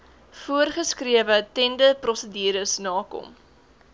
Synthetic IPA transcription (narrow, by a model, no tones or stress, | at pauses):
fuərχəskriəvətɛndəprɔsədiːɾəsnɑːkɔ̰m